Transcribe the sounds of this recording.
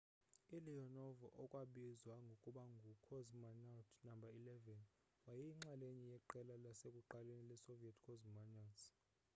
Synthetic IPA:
iliɔnɔvɔʔɔkʼwaɓizwaŋɡʱokʼuɓaŋɡʱukʰɔzmanatʰnambʱailɛvɛn | wajijiŋ͡ǁaleɲijɛǃɛlalasekʼuǃalenilɛsoviatʰkʰɔzmanas

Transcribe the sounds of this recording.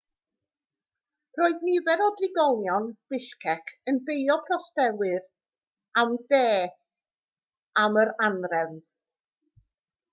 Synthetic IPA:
roːɨðnivɛɾɔdɪɡɔlˠjɔnb̥ɪʃkʰɛkʰənbejɔpʰrɔstɛwɨɾ | amdeː | aməɾanrɛn

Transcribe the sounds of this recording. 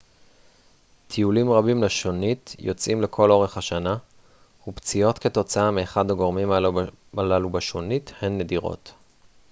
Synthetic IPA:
t̪ʰiulimʁabimleʃo̞nitjo̞t͡sʔimlekʰo̞lo̞ʁe̞χhaʃana | hupt͡sio̞tke̞to̞t͡saameːχadaɡo̞ʁmim | alalubaʃonithenːediʁo̞̰t

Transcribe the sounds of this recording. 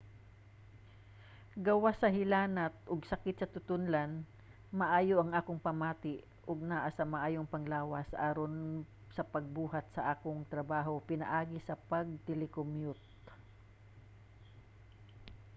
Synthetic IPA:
ɡɐwasɐɦɪlaːnɐt̪̚ʔʊɡsɐkɪt̪sɐt̪ʊt̪ʊnlan | mɐʔaːjoʔɐŋʔaːkoŋpɐmaːt̪ɪʔ | ʔʊɡ̚naʔasɐŋmɐʔaːjoŋpɐŋlaːwɐsʔaːɾon | sɐpɐɡ̚buːɦat̪̚sɐʔaːkoŋt̪ɾɐbaːɦopɪnɐ̰ʔaːɡɪsɐpɐɡ̚t̪ɛlɪkomjʊt̪̚

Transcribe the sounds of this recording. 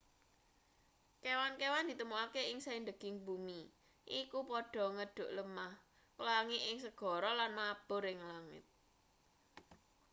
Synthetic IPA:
kewankewand̪i̤t̪əmuakeɪŋsaind̪əɡ̥ɪ̤ŋbumi | ʔikupɔɖ̥ɔ̤ŋəɖ̥ʊ̤ʔləmah | kəlaŋiʔɪŋsəɡ̥ɔ̤ɾɔlanmab̥ʊ̤ɾɪŋlaŋɪ̰t̪̚

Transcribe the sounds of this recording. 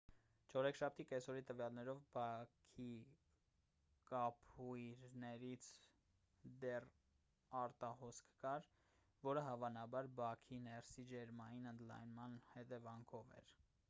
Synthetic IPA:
t͡ʃʰɔɾɛkʰʃɑp̚ʰt̪ikɛsɔɾit̪əvjɑlnɛɾɔvbɑkʰi | kɑpʰujɾnɛɾit͡sʰ | d̪ɛr | ɑɾt̪ɑhɔskʰkɑɾ | vɔɾəɦɑvɑnɑbɑɾbɑkʰinɛrsid͡ʒɛɾmɑjinənd̪lɑ̰jnmɑnhɛt̪ɛvɑŋkʰɔvɛ̰ɾ

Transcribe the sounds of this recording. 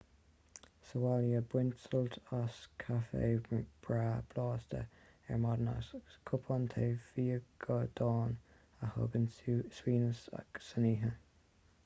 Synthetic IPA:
səwaljəbwɪnsəltaskʰafḛːb̥ɹaːb̥lɑːst̪ə̰ | ɛɹmɑd̪əna̰skʰʊpʰɔnt̪ʰeːfiːəɡ̥əd̪̥ɑːn | əhɔ̰ɡənswiːnəsa̰ksəniːɦə

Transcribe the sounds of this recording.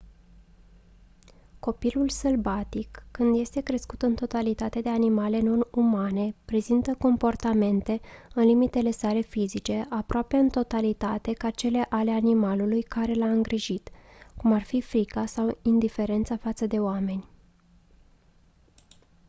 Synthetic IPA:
ko̞pilulselbat̪ikːɨnd̪je̞st̪e̞kɾe̞skut̪ɨnt̪o̞t̪alit̪at̪e̞d̪e̞animale̞no̞numane̞pɾe̞zint̪əko̞mpo̞rt̪ame̞nt̪e̞ɨnlimit̪e̞le̞sale̞fizit͡ʃe̞ʔapɾoape̞ɨnt̪o̞t̪alit̪at̪e̞kat͡ʃe̞le̞ʔale̞animalulujkaɾe̞laɨŋɡɾiʒit̪kumarfifɾikasawind̪ife̞ɾe̞nt̪safat̪səd̪e̞oame̞nʲ

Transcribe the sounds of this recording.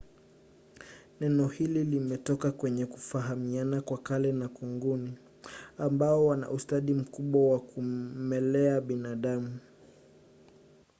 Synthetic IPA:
nɛnɔhililimɛtɔkakwɛɲɛku̥faɦamianakwakalɛnakuŋɡuni | ambaɔwana̰ʔustaɗim̩kuɓwawakumɛlɛaɓinaɗamu

